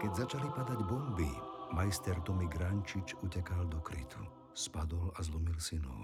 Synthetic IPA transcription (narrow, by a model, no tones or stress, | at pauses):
kɛɟzat͡ʃalipad̪aɟbɔmbimajst̪ɛɾt̪ɔmiɡɾaɲt͡ʃit͡ʃucɛkald̪ɔkɾḭt̪ʰṵ | spad̪ɔlazlɔmilsinɔ̰